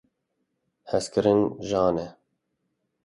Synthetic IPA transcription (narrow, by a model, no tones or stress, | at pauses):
hɛskɨɾɨnʒɑːnɛ